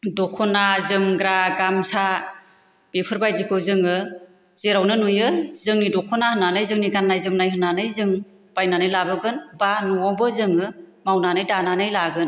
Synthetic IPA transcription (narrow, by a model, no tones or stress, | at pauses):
dɔkʰɔnazɯmɡɾaɡamsa | b̥epʰɯɾbajzikʰɯzɯŋɯ | z̥eɾawnɯnujɯzɯŋnidɔkʰɔnahɯnanɯjzɯŋniɡanːajzɯmnajɦɯnːanɯjzɯŋ | b̥ajnanɯjlabɯɡɯnbanuɔbɯzɯŋɯmawnanɯjdananɯjlaɡɯn